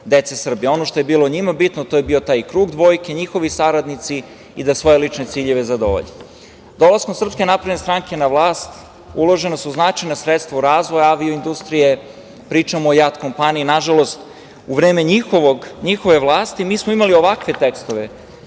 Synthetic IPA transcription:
d̪et̪sesr̩bijeo̞noʃt̪ojebiːlˠo̞ɲimabit̪not̪oːje̞bio̞t̪aːjkɾuːɡd̪ʋo̞jke̞ɲixo̞ʋisaɾad̪nit̪si | id̪asʋo̞je̞lit͡ʃne̞t̪siːʎe̞ʋe̞zad̪o̰ʋo̰ʎ | d̪o̞lasko̞msr̩pske̞napɾevnest̪ɾaŋke̞naʋlaːst̪ | ulˠo̞ʒe̞nosuznat͡ʃajnosɾet̪st̪vʋauɾaːzʋojaaʋioind̪ust̪ɾije | pɾiːt͡ʂamoːjat̪ko̞mpaniinaʒalo̞st̪ | uʋɾe̞ːme̞ɲixoʋoɡɲixo̞ʋe̞ʋlˠaːst̪imiːsmoimalio̞ʋakʋe̞t̪ekst̪oʋe̞

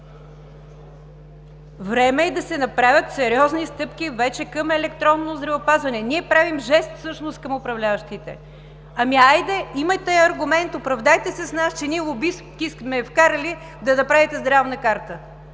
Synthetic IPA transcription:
vɾɛmɛːd̪ɐsɛnɐpɾavʲət̪sɛɾiɔznist̪ɤpkʲivɛt͡ʃɛkɐmɛlɛk̚t̪ɾɔnːozd̪ɾɐvopazvɐnɛniɛpɾavimʒɛst̪fsɤʃnoskɐmʊpɾɐvlʲavəʃt̪it̪ɛ̰ | ɐmiajd̪ɛimɐt̪ɛɐɾɡʊmɛnt̪opɾɐvd̪ajt̪ɛsɛsnast͡ʃɛniɛʊbiskʲiskmɛfkaɾəli | d̪ɐnɐpɾavit̪ɛzd̪ɾavnəkaɾt̪ə

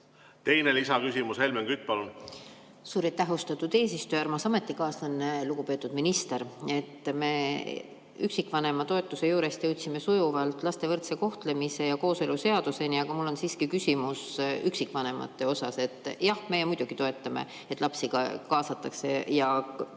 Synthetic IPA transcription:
t̪e̞jne̞lisɑkysimushe̞lmeŋkyt̪̚ːˑpɑlun | suːɾɑjt̪ːæɦust̪ɑt̪ˑud̪̥eːs̬ist̪oæɾrmɑsɑme̞t̪ˑːikɑːslɑnːluɡ̥upø̞ːt̪ːˑud̪̥minist̪e̞ɾe̞t̪ːme̞ | yksikːˑvɑne̞mɑt̪o̞e̞t̪ːˑuse̞juːɾe̞st̪jɤwt̪ʲsime̞sujuvɑlt̪ːˑlɑst̪e̞vɤrt̪se̞ko̞ht̪le̞mise̞jɑko̞ːse̞luse̞ɑd̪use̞niɑɡ̥ɑmulːo̞nsiːskikysʲimusyksikːvɑne̞mɑ̰t̪ːe̞o̞sɑse̞t̪ːˑjɑhmejemujd̪̥uɡ̥it̪o̞e̞t̪ːˑɑmḛ | et̪ːˑlɑpsiɡ̥ɑ̰kɑːsɑt̪ːˑɑkse̞jɑ

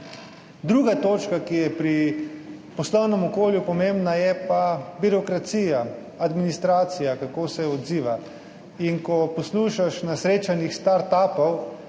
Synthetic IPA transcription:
d̪ɾuːɡat̪oːt͡ʃkakijɛpɾi | pɔslɔwnɛmɔkoːljupɔmẽmbnajɛpabiɾɔkɾat̪siːja | ad̪minist̪ɾaːt̪sijakakoːsɛɔd̪ziːʋa | inkɔpɔsluːʃaʃnasɾeːt͡ʃanixst̪aɾt̪aːpɔw

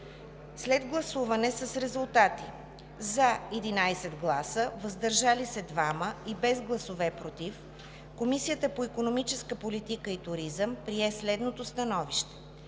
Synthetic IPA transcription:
slɛd̪ɡlˠɐsuvɐnɛsəsɾɛzulˠt̪at̪i | zɐɛd̪inajsɛd̪ɡlˠasəvəzd̪ɐɾʒalisɛd̪vaməibɛzɡlˠɐsovɛpɾot̪if | komisijət̪əpoikonomit͡ʃɛskəpolit̪ikəit̪ʊɾizəmpɾiɛslɛd̪not̪ost̪ɐnɔviʃt̪ɛ̥

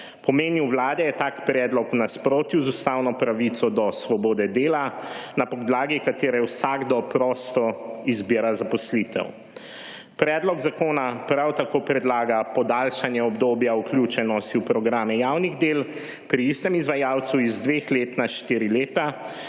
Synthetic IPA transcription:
pɔmeːniwwlaːd̪ɛjɛt̪aːkpɾɛːd̪lɔkunaspɾoːt̪juwzust̪awnɔpɾaʋit̪sɔd̪ɔsʋɔbɔːd̪ɛd̪eːlanapɔd̪laːɡikat̪eːɾɛwsaɡd̪ɔpɾɔst̪ɔizbiːɾazapɔslit̪ɛ̰w | pɾɛd̪lɔɡzakoːnapɾawt̪akoːpɾɛd̪laːɡapɔd̪alʃanjɛɔbd̪oːbjaukljut͡ʃɛnɔst̪iupɾɔɡɾaːmɛjawniɣd̪eːl | pɾiist̪ɛmizʋajaw̪suizd̪ʋexleːt̪naʃt̪iɾileːt̪a

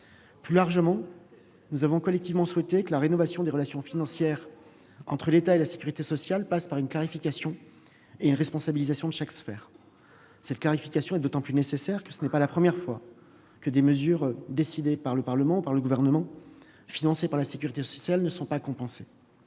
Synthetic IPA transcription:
plylaʁʒəmɑ̃ | nuzavɔ̃kɔlɛk̚t̪ivmɑ̃swɛt̪ekəlaʁenɔvasjɔ̃d̪eʁəlasjɔ̃finɑ̃sjɛːʁ | ɑ̃t̪χəlet̪aelase̥kʲyʁit̪esɔsjalpaspaʁynklaʁifikʲasjɔ̃ | eynʁɛspɔ̃sabilizasjɔ̃d̪əʃaksfɛːʁ | sɛt̪̚klaʁifikʲasjɔ̃ɛd̪ot̪ɑ̃plynesesɛʁkə̥sənɛpalapχəmjɛʁfwa | kəd̪eməzyʁd̪esid̪epaʁləpaʁləmɑ̃upaʁləɡuvɛʁnəmɑ̃ | finɑ̃sepaʁlasekʲyʁit̪esɔ̥sjalnəsɔ̃pakɔ̃pɑ̃se

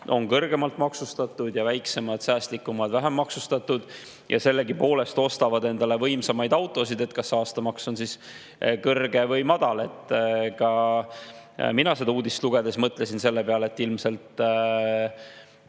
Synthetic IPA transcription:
ʔo̞nkɤrɡe̞mɑlt̪mɑksust̪ɑt̪ːˑud̪̥jɑvæjkse̞mɑd̪̥sæːst̪likːˑumɑd̪̥væɦemːɑksust̪ɑt̪ːˑud̪̥ | jʔɑ̰se̞lːe̞ɡipo̞ːle̞st̪o̞st̪ɑvɑd̪e̞nd̪̥ɑle̞vɤjmsɑmɑjd̪ɑwt̪ˑo̞sid̪̥e̞t̪kɑsːɑːst̪ɑmɑkso̞nsis | kɤrɡe̞vɤjmɑd̪ɑle̞t̪ːˑkɑ | minɑse̞d̪ɑuːd̪ist̪luɡ̥e̞d̪e̞smɤt̪ːˑle̞sinse̞lːe̞peɑleet̪ːˑilmse̞lt̪

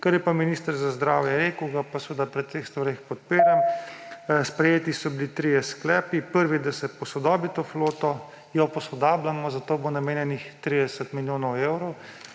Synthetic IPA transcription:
kaɾjɛpaminiːst̪əɾzazd̪ɾaːwjɛɾeːkəwɡapasʋəd̪apɾɛt̪eːxst̪ʋaɾexpɔt̪̚piːɾam | spɾɛjeːt̪isɔbilit̪ɾijɛsklɛːpipəɾʋid̪asɛpɔsɔd̪ɔːbit̪oːfloːt̪ɔ | jɔpɔsɔd̪aːblamɔzat̪oːbonameːnjɛnixt̪ɾiːd̪ɛsɛt̪miljoːnɔweːwɾɔw

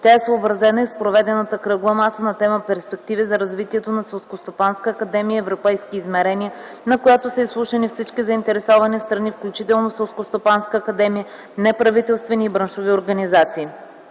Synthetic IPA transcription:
t̪ʲaɛsoobɾɐzɛnəispɾovɛd̪ɛnət̪əkɾɤɡˠəmasənɐt̪ɛməpɛɾspɛk̚t̪ivizɐɾɐzvit̪iɛt̪onɐsɛlˠskost̪opanskəːkɐd̪ɛmiəɛvɾopɛjskiːzmɛɾɛniə | nɐkojat̪osəislˠuʃɐnifsit͡ʃkizɐint̪ɛɾɛsɔvɐnist̪ɾɐnifklʲut͡ʃit̪ɛlˠnosɛlˠskost̪opanskəːkɐd̪ɛmijə | nɛpɾɐvit̪ɛlˠst̪vɛniːbɾənʃovioɾɡɐnizat̪siː

